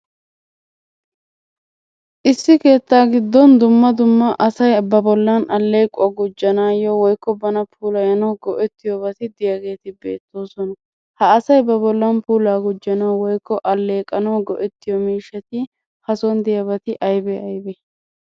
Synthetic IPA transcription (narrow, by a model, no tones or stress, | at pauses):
ʔɪsːɪke̞ːt̪ːaːɡɪd̪ːɔnd̪ʊmːɐd̪ʊmːɐʔɐsɐjbɐbɔlːɐnʔɐlːe̞ːkʼːɡʊd͡ʒːɐnaːjɔwɔjkːɔbɐnɐpʰuːlɐjɐnɐwɡɔʔɛt̪ːɪjɔbɐt̪ɪd̪ɪjɐɡe̞ːt̪ɪbe̞̰ːt̪ːo̞ːsɔnɐ | hɐːsɐjbɐbɔlːɐnpuːlaːɡʊd͡ʒːɐnɐwwɔjkːɔʔɐlːe̞ːkʼːɐnɐwɡɔʔɛt̪ːɪjɔmiːʃːɐt̪ɪ | hɐsɔnd̪ɪjɐbɐt̪ɪʔɐjbɛɐjbɛ